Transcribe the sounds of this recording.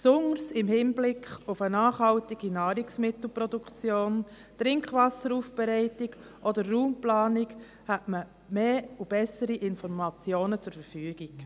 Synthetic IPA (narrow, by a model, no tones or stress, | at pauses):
psʊŋəɾsɪmhɪnblɪkχʊfənɑːχhɑltiɡ̥inɑːɾiksmɪt̪l̩ˠpɾɔd̪ukt͡sjoːn | tɾɪŋkχʋɑsəɾuːfb̥ɛɾɛɪtiɡ | ʔɔdərːuːmplɑːnik | hɛtmə | meːub̥ɛsəɾiʔɪnfɔɾmɑt͡sjoːnət͡sʊɾfəɾfyːɡik